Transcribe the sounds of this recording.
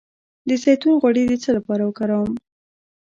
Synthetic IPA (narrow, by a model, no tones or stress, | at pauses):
d̪əsajt̪unɣwaɽed̪et͡səlapɑɾawəkaɾawəm